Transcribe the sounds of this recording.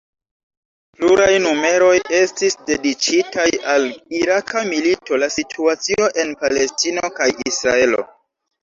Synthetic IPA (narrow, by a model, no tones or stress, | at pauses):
pluɾajnume̞ɾo̞je̞stisde̞dit͡ʃitajaliɾakamilito̞lasitʰuat͡sio̞ʔe̞npale̞stino̞kajisɾae̞lo̞̰